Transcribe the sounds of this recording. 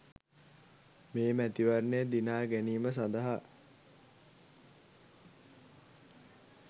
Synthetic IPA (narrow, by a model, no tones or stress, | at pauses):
meːmæt̪iʋarnejəd̪inaːɡæniːməs̬and̪əɦa